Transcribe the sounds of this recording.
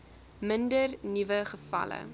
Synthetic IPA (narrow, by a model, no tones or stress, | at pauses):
məndərnivəχəfɐ̰lə̰